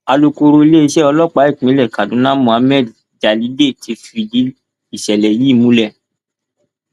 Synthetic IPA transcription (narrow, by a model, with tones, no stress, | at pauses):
a˧lo˧ko˧ɾo˧i˧le˦i˧ʃɛ˦ɔ˧lɔ˦k͡pa˨˦i˦˨k͡pĩ˨˦lɛ˦˨ka˨dũ˨˦nã˦mũ˨a˧˦mɛ˦˨d | d͡ʒa˨li˨˦de˦˨ti˨˧fi˧di˨˦ | i˦˨ʃɛ˨lɛ˨ji˦˨mũ˨˦lɛ˦˨